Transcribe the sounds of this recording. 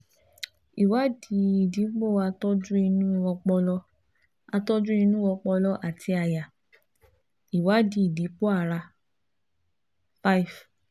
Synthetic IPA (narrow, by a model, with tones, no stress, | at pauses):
i˨wa˨˦di˨˧˦i˨di˨˦k͡po˦˨a˧tɔ˦d͡ʒu˦i˧nũ˦ɔ˧k͡pɔ˧lɔ˦ | a˧tɔ˦d͡ʒu˦i˧nũ˦wɔ˧k͡pɔ˧lɔ˦ʔa˨tʰi˧a˨ja˨ | i˨wa˨˦di˧˦i˨di˨˦k͡po˦a˦˨ɾa˧ | fa˦i˨f